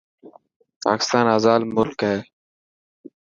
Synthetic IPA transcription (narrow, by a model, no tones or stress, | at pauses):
pa̰ːkɪ̥st̪aːnəzaːlmʊlkeː